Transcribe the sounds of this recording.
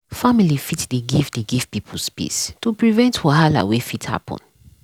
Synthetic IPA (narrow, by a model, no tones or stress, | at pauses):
familifitdiɡivdiɡivpipʰɔlspḭstupɹivɛ̃ntwɔɦala̰wefitha̰pʰɔ̰̃n